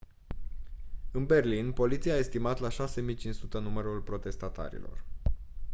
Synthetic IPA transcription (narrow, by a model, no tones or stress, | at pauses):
ɨnbe̞rlinpo̞lit̪siaːe̞st̪imat̪laʃase̞mijt͡ʃinsut̪ənuməɾulpɾo̞t̪e̞st̪at̪a̰ɾḭlo̞̰r